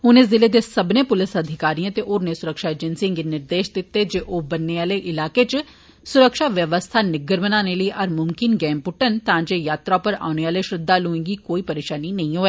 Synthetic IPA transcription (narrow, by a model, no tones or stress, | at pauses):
ʊneːzɪleːd̪esəbnẽːpʊlɪsəd̪ʱɪkaːɾiãːt̪eʔʊɾneːsʊɾəkʃaːeːd͡ʒənsĩŋɡenɪɾd̪eːʃd̪ɪt̪ːed͡ʒeːʔoːbənːeaːleʔɪlaːket͡ʃ | sʊɾəkʃaːʋjəʋəst̪ʰaːnɪɡəɾmənaːneləiːʔəɾmʊmkɪnɡɛ̃ːmpʊʈənt̪ãːd͡ʒeːjaːt̪ɾaːpəɾa̰ːʊneaːleʃɾɪd̪ːaːloːẽːɡiːkoːipəɾeːʃaːninɐĩːɦoːɛː